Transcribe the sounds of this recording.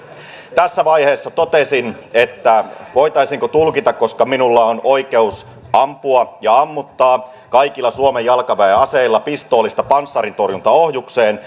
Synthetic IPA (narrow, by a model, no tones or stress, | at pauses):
t̪æsːæʋɑjhe̞ːsːɑt̪o̞t̪esinet̪ːæʋo̞jt̪ɑisiŋkot̪ulkit̪ɑkko̞skɑminulːɑono̞jke̞us | ɑmpuɑjɑɑmːut̪ːɑː | kɑjkilːɑsuomejːɑlkɑʋæeɑse̞ilːɑpist̪o̞ːlːist̪ɑpɑnsːɑɾint̪o̞rjunt̪ɑo̞hjukse̞ːn